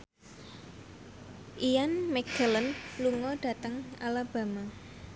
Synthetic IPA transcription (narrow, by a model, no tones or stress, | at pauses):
ʔijanmɛkələnluŋɔɖ̥ä̤t̪əŋalab̥a̤ma